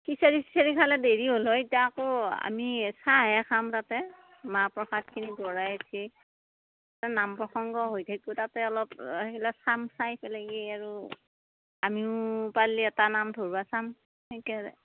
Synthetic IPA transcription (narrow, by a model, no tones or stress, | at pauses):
kisaɹipisaɹikʰalɛdeɹiɦolɔitiaakoa̰misaɦɛxʰamtatɛ | mapɹɔxat̚kʰiniɡɔɹajatʰi | tɛnampɹɔxɔŋɡɔɦojtʰakʊtatɛɔlɔpekʰilasamsajpʰɛlɛɡejaɹu | amiʊpaliɛtanamdʱoɹasam | ejkɛɛ̰